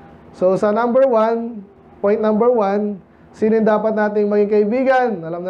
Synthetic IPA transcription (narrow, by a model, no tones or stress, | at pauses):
sosɐnambɛɹwan | pojnnambɛɹwan | siːnojnd̪aːpɐt̪̚naːt̪ɪŋmɐɡiŋkɐʔɪbiːɡɐnɐlamnɐ